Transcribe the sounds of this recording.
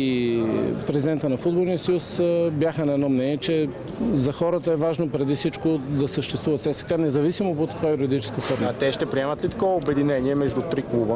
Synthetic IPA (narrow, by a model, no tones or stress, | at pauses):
i | pɾɛzʲid̪ɛnt̪ənɐfud̪bolˠniəsɐjusbʲjaxənɐɛd̪nɔmnɛniɛt͡ʃɛ | zɐxɔɾət̪əɛvaʒnopɾɛd̪ifsit͡ʃkod̪ɐsəʃt̪ɛ̥st̪vuvət̪sɛsɛ̥kanɛzɐvisimopot̪ːɐkvajuɾʲɛd̪it͡ʃɛ̥skəxɔɾmɐat̪ɛʃt̪ɛpɾiɛmət̪lit̪ɐ̥kɔvəobɛd̪inɛniɛmɛʒd̪ut̪ɾiklˠubə